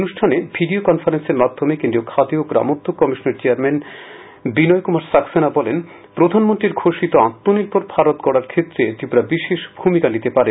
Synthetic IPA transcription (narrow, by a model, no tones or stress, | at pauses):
onuʃʈʰanebʱiɖiokɔnfʰaɾenseɾmad̪ʱːomekẽnd̪ɾiokʰad̪ioɡɾa̰mod̪ʱːokːɔmiʃoneɾt͡ɕeaɾmɛn | binɔjkumaɾsaksenabɔlen | pɾod̪ʱanmont̪ɾiɾɡʱʰoʃit̪oãt̪ːoniɾpoɾbʱaɾot̪kɔɽaɾkʰet̪ːɾet̪ibɾabiʃeʃbʱumikanit̪epaɾe